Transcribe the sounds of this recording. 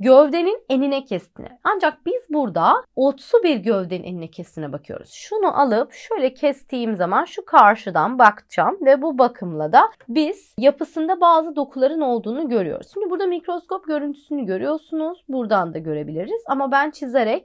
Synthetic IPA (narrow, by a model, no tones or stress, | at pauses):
ɟøvd̪e̞nine̞ninɛcʰɛst̪ʰḭnɛ̰and͡ʒak̚biz̥buɾd̪ao̞t̪subiɾɟøvd̪eineninɛcʰɛst̪ʰinɛbakʰɯjo̰ɾṵz̥ʃunuʔalˠɯpʃø̞jlʲɛcʰɛst̪ʰiːmzamanʃukʰaɾʃɯd̪anbakt͡ʃʰamvɛbubakʰɯmlˠad̪abiz̥japʰɯsɯnd̪abaːzɯd̪o̞kʰulˠaɾɯno̞lˠd̪uːnuɟø̞ɾyjo̰ɾ̰ust͡ʃʰimʲibuɾd̪amicɾo̞sko̞p̚ɟø̞ɾynt̪ʰy̥synyɟø̞ɾyjo̞ɾsunuz̥buɾd̪and̪aɟø̞ɾe̞bilʲiɾiz̥amabænt͡ʃʰizeɾɛc